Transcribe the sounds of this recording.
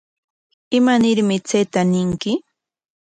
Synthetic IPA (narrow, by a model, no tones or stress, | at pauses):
ɪmanɪɾmɪt͡sejt̪anɪŋkɪ